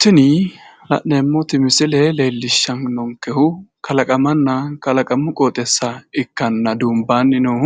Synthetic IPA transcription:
t̪ːɪnɪ | lɐ̰ʔneːmːɔt̪ɪmɪsɪlɛleːlːɪʃːɐnnɔŋkɛhʊkʰɐlɐkʼɐmɐnːɐkɐlɐkʼɐmːʊkʼoːt̪ʼɛsːɐɪkːɐnːɐd̪uːmbaːnːɪno

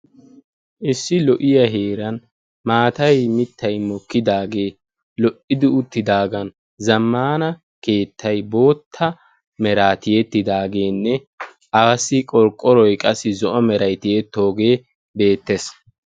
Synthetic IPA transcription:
ʔɪsːɪlɔʔɪjɐɦe̞ːɾɐn | maːt̪ɐjmɪt̪ʰːɐjmɔkːɪd̪aːɡe̞ː | lɔʔɪd̪ɪʊt̪ːɪd̪aːɡɐn | zɐmːaːnɐ | ke̞ːt̪ʰːɐjbo̞ːt̪ʰːɐ | mɛɾaːt̪ɪjɛt̪ːɪd̪aːɡe̞ːnːɛ | ʔaːsːɪkʼɔɾkʼːɔɾɔjkʼɐsːɪzɔʔɔmɛɾɐjt̪ɪjɛt̪ːo̞ːɡe̞ː | be̞ːt̪ːes

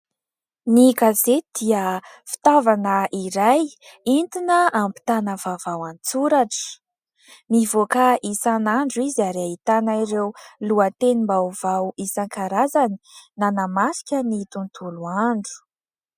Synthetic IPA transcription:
nikazed̪̥iə | fi̥t̪avanəʔiɾajint̪inəampi̥t̪anəvavawant͡suɾaʈ͡ʂə̥ | mivokaʔisanaɳɖ͡ʐuizaɾait̪anaiɾewluət̪enimbawv̥awisaŋkaɾazani̥nanamasi̥kʲənit̪unt̪ʰuluaɳɖ͡ʐu̥

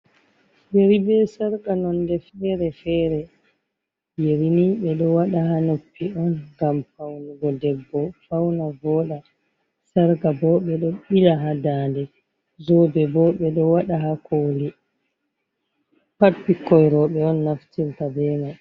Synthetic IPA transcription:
jeɾibɛsaɾkanɔndɛfɛɾɛfɛːɾɛ | jeɾiniɓɛɗɔwaɗahanopːiɔnɡamfawnuɡɔdɛbːɔfawnavɔɗa | saɾkabɔɓɛɗɔɓilaɦadandɛ | zɔbɛbɔɓɛɗɔwaɗaɦakʰoːli | papːikːɔjɾɔɓɛɔnːaftiltabɛːna

